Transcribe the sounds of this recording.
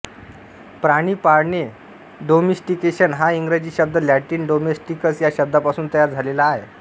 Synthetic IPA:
pɾaɽ̃iːpaɾɳe | ɖomesʈikeɕənɦaiŋɡɾad͡ʑiːɕəb̚d̪ʱəlæʈiːnɖomesʈikəsjaɕəb̚d̪apasuːnt̪əjaɾd͡zʱalelaːɦḛ

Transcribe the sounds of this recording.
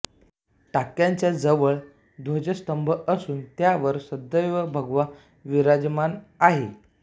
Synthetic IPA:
ʈakjaɲt͡ɕjad͡zəʋəɭ | d̪ʱod͡ʑəst̪əmbʱəʔəsuːnt̪jaʋəɾsəd̪əjʋəbʱəɡʋa | ʋiɾad͡zmanaɦe

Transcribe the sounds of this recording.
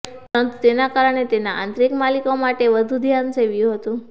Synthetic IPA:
pəɾənt̪ut̪enakaɾəɳ̃et̪enaʔã̰nt̪ɾikmalikomaʈeʋəd̪ʱud̪ʱjanseʋjũɦət̪ũ

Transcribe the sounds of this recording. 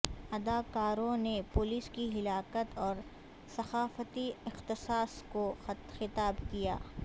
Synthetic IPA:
ɐd̪aːkaːɾõnepʊlɪskiɦɪlaːkət̪ɔːɾ | sɐxaːfət̪iɪxt̪ɪsaːskoxɪt̪aːbkija̰ː

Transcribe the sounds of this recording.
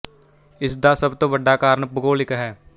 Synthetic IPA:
ɪsd̪asɐbt̪obəɖːakaːɾɳpʊɡoːlɪkɦɛː

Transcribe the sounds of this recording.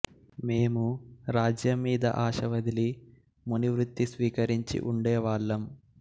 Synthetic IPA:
meːmuɾaːd͡ʒjɐmːiːd̪ɐ̰ʔaːʃɐʋɐd̪ʱili | muniʋɾut̪ːisʋiːkɐɾiɲt͡ʃḭʔuɳɖeːʋaːɭːɐm

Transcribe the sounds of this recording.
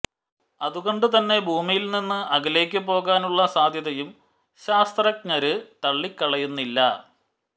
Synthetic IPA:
ɐðuɣo̞ɳɖɨt̪ɐnːe̞bʱuːmijilninːɨɐɡɐleːk̬ʲːɨpːo̞ːɣaːnuɭːɐsaːd̪ʱjɐðɐjum | ɕaːst̪rɐk̚ɲɐɾɨt̪ɐɭːikːɐɭɐjunːilːɐ

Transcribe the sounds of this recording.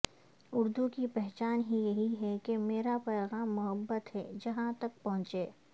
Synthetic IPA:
ʊɾd̪ukipɛɦt͡ʃaːnɦijɐɦiɦɛkemeːɾapɛːɣaːmːʊɦəbːət̪ɦɛ̰ːd͡ʒɐɦãt̪ɐk̚pɐɦʊ̃t͡ʃeː

